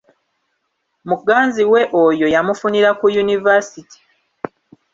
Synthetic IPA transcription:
muɡːaːnziwe̞ʔojo̞jamufuniɾakujunivasiti̥

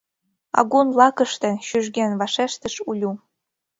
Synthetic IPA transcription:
ɑ̰ɣunlˠɑkɤ̆ʃt̪ĕɕyʒɡenvɑʃeʃt̪ə̆ʃulʲu

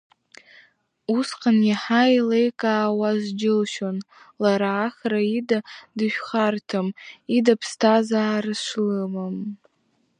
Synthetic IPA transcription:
usqʰʼanjaħajlejkʼaːwaʒʷd͡ʒɪlʃon | laɾaːχraidadɨʃᶣχartʰamidapʰstʰazaːrɨʂʷlɨmam

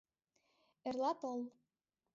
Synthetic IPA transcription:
erlɑt̪ɤ̆l

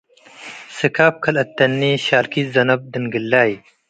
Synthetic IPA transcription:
sikʰaːp̚kʰɐlɐt̪ːɐnːiːɕaːlkizɐnɐb̚d̪inɡilːaːj

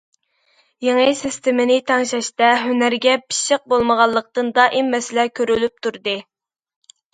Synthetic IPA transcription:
jeŋəsist̪ɪmɪnɪt̪ʰɑŋʃɑʃt̪ɛɦønæɾɡʲɛpʰi̥ʃɪq̚bolˠməʁɑlˠːəq̚t̪ɨnd̪ɑʔɪmmɛsɪlɛkʲʰøɾylyp̚t̪ʰuɾd̪ɨ

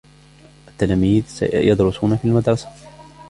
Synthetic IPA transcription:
ʔat̪ːalaːmiːðsa̰jɑd̪ɾʊsuːnafiːlmad̪ɾˤɑsḁ

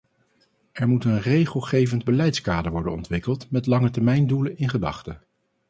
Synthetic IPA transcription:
ɛɹmutənrejχəlˠχejvəndbəlɛjtskaːdəɹʋɔɹdə̰nɔ̰ntʋɪkəlˠtmɛtlɑŋətɛɹmɛjndulənɪnχədɑ̰χtə

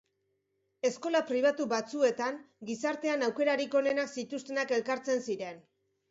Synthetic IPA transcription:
e̞sko̞lapɾiβ̞at̪uβat͡sue̞t̪aŋ | ɡisaɾt̪eanawke̞ɾaɾiko̞ne̞naksit̪ust̪e̞nake̞lkaɾt͡se̞nsiɾe̞n

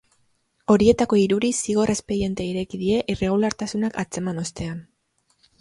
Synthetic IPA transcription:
o̞ɾie̞t̪ako̞iɾuɾisiɣ̞o̞re̞spe̞ɾie̞nt̪eiɾe̞kiðie̞ʔire̞ɣulaɾt̪asunakat͡se̞mano̞st̪e̞an

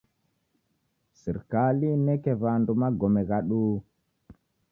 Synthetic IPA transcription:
siɾkalinekevandumaɡomeɡaɗu

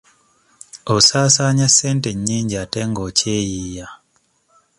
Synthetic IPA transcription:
osaːsaːɲasenteɲːiːɲɟiateŋɡocejija

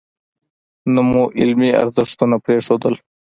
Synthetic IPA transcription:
nəmuʔɪlmiɐ̰ɾzəʂt̪unapɾeʂoːd̪əl

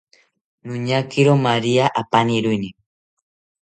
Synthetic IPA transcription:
nʊɲakɪɾomaɾiaʔapaniɾʊjni

